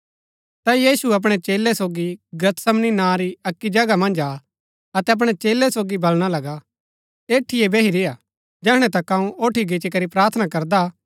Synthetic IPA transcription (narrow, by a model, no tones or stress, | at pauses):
t̪ajiːsuɐp̬ɽ̃et͡ʃeːlːɛsoːɡiɡɐt̪sɐmninãːɾiɐkːid͡ʒɐɡamɐ̃nd͡ʒaː | ɐt̪ɛɐp̬ɽ̃et͡ʃeːlːɛsoːɡibɐlɽ̃alɐɡa | eːʈʰːɪjebeːɦiɾɪja | d͡ʒɛːɦɽ̃ɛ̃t̪ɐkɐũoːʈʰiɡɪt͡ʃikɐɾipɾaːɾt̪ʰnakɐɾd̪a